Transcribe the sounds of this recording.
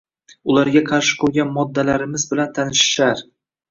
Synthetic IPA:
ʊlaɾɡʲaqʰɑɾʃɪ̥qʰɵɾɡʲanmɒd̪ːalaɾɪmɪzbɪlant̪ʰanɪʃɪ̥ʃaɾ

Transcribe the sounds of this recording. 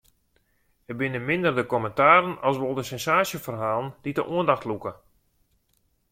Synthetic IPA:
əbɪnəmɪndərdəkɔməntaːɾənɑsʋolˠdəsɛnsaːsjəfərɦaːlˠənd̥idəʔuəndaxtlukə

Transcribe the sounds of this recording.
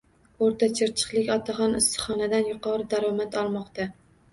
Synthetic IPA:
oɾt̪ʰat͡ʃʰɪɾt͡ʃʰɨ̥qlˠɪkʲɒt̪ʰaχɒnɪst̪ɨ̥χɒnad̪anjʊqʰɒɾɨd̪aɾɒmat̪ʰɒlˠmɒqt̪a

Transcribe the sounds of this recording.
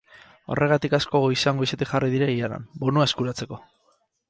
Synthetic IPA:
o̞̰rʔe̞ɣ̞at̪ikasko̞ɣoisaŋɡo̞iset̪ixariðiɾeiana̰mbonuaeskuɾat͡se̞ko̞

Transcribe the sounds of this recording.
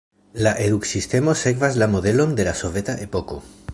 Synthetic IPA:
laʔe̞ðuksist̪e̞mo̞se̞kvazlamo̞ðe̞lo̞nd̪e̞laso̞ve̞t̪aʔe̞poko̞̰

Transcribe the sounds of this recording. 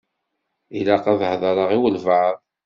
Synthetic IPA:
ilaqɑðhðˤəɾˤəʁiwəlvaʕəðˤ

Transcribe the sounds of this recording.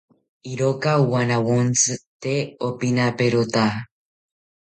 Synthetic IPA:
iɾokauwanawont͡sɨt̪eopinapeɾot̪a

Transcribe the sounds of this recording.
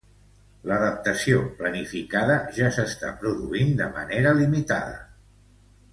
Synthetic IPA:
ləðəp̚t̪əsioplənifikaðəʒasəst̪a̰pɾuðuind̪əmə̰neɾəlimit̪aðə̰

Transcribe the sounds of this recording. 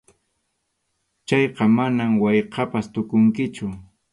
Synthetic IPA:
t͡ʃɑjqɑmanamwɑjqɑpast̪ʊkʊŋkɪt͡ʃʊ

